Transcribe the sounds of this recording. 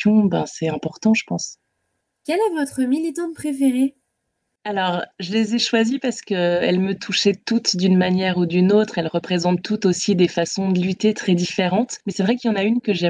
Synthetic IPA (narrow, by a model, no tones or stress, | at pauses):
ɔ̃bɛ̰̃sɛɛ̃pɔʁt̪ɑ̃ʒəpɑ̃s | kʲɛlɛvɔt̪χəmilit̪ɑ̃d̪əpχefeʁe | alɔʁʒəlezɛʃwazipaʁsə̥kəɛ̰lmət̪ʰuʃɛt̪ut̪d̪ynmanjɛʁud̪ynot̪χɛlʁəpχezɑ̃t̪ːut̪osid̪efasɔ̃d̪əlyt̪et̪χɛd̪ifeʁɑ̃t̪mɛsɛvʁɛkljɑ̃naynkəʒɛ